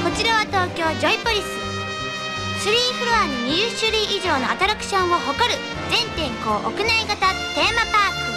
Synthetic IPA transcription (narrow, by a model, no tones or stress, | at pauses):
ko̞t͡ɕiɾaβat̪o̞ːkʲo̞ːd͡ʑo̞ipoɾʲisɨ | sɨɾʲiːɸɯ̟ɾɯβanoɲjɯɕɨɾʲiʔiʑo̞ːno̞at̪aɾakɯ̟̥ɕõ̞mmo̞ɦo̞ko̞ɾɯ̟ | zẽ̞nt̪ẽ̞ŋko̞ːʔokɯ̟naiɡat̪at̪e̞ːmapaːkɯ